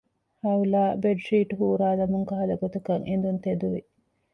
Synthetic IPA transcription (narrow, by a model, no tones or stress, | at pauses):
hɐulaːbeɖʂiːʈuɦuːɾaːd̪ɐmuŋkɐɦɐlɐɡot̪ukɐŋʔend̪unt̪ed̪uʋi